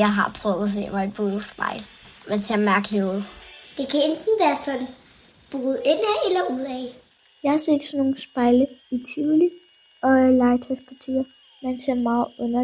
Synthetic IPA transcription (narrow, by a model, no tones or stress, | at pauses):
jɑ̈ɪɦɑ̈pʰʁœʊðˠɐs̬e̝̰ːmɑ̈ed̥̚b̥oːð̩ˠsb̥ɑ̰̈ɪl | ment͡sʰeɐmæɐɡ̥əleoð̩̰ˠd̥e̝kʰæend̥n̩ʋæːɐsɒ̽n | b̥oːð̩ˠen̰æelɐuð̰ˠɛ | jɑ̈ɪhɑ̈se̝̰ːd̥sɒno̝ːn̩sb̥ɑ̈ɪləit͡sʰili | ɒ̽lɑ̈ɪt͡sʰaspʰɒt͡sʰe̝̰ːɐ | mænse̝ɐ̰mɑ̈ːð̩ˠɔnɐ